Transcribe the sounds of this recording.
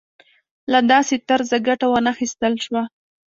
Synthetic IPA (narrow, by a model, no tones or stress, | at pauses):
lad̪ɑset̪aɾzaɡaʈawənaxist̪əlʃwa